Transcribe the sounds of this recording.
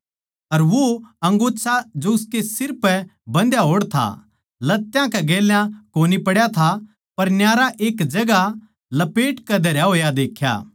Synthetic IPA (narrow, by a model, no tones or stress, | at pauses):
ɐɾʋoɐ̃ŋɡoːt͡ʃʰad͡ʒoʊskesɪɾpɛbɐ̃nd̪jaɦoːɽt̪ʰa̰ | lɐt̪ːjãkɛɡeːljãkoːnipɐɽjat̪ʰa | pɐɾnjaːɾaʔeːkd͡ʒɐɡa | lɐpeːʈkɐd̪ʱɐɾjaɦoːjad̪eːkʰːja̰ː